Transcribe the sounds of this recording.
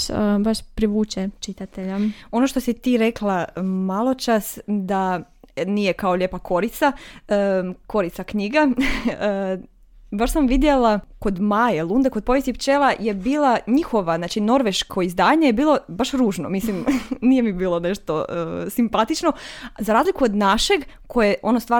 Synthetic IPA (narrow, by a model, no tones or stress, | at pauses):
baʃpɾiʋuːt͡ʃet͡ʃit̪at̪eʎao̞no̞ʃt̪osit̪iːɾe̞klˠamalˠot͡ʃasd̪a | nijekaoʎepakʰo̞ɾit̪sa | ko̞ɾit̪sakɲiɡa | baʃsamʋid̪je̞lˠako̞d̪maːjelˠund̪ekopo̞ʋjesipt͡ʃelaje̞biːlˠaɲixo̞ʋaznaːt͡ʃino̞ɾʋeʃkʰo̞izd̪aːɲejebiːlˠo̞baʃɾuːʒnomislimnijemibiːlˠo̞ne̞ʃt̪o̞̰simpat̪it͡ʃno̞zaɾaːzlikuod̪naʃe̞ɡkojeʔo̞nost̪ʋaː